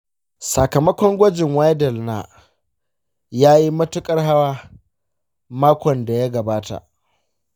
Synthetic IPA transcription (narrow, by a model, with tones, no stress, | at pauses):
sa˨kɐ˨mɐ˦kʷɔ˦ŋɡʷɐ˦d͡ʒɪ˨ŋwa˦jdɛ˨lna˨ | jaː˦ji˦mɐ˦tʊ˦kʼɐ˦rɦa˦waː˦ | maː˦kʷɔ˨nda˨ja˦ɡɐ˨baː˦ta̰˨ʔ